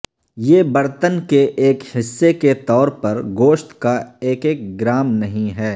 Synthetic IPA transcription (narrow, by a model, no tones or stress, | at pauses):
jeːbɐɾt̪ənkeʔeːkhɪsːeket̪ɔːɾpɐɾɡoːʃt̪kaeːkeːk̚ɡɾaːmnɐɦĩɦɛː